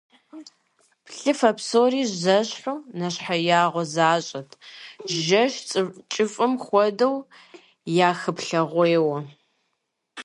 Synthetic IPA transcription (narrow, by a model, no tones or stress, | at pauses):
pɬɨfɐpsoːriːzɐɕħuːnɐɕħajaːʁʷɔzaːɕʼɐtʰʒɐʃʼt͡ʃʼɪfʼɨmχʷɔdɐw | jaːxɨpɬɐʁʷeːwɐ